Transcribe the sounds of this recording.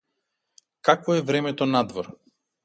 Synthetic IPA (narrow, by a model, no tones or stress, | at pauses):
kakvɔɛvɾɛmɛt̪ɔnad̪vɔɾ